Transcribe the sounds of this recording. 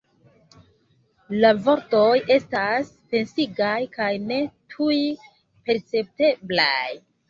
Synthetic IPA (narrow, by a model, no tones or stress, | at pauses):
lavo̞ɾtoje̞stas | pe̞nsiɡajkajne̞tʰuj | pe̞ɾt͡se̞p̚te̞blaj